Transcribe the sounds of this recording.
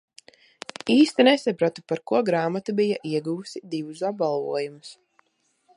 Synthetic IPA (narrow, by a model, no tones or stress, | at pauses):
iːst̪inɛsapɾat̪upaɾkuɔɡɾaːmat̪ubijaʔiɛɡuusid̪ivusabalˠvṵɔjumus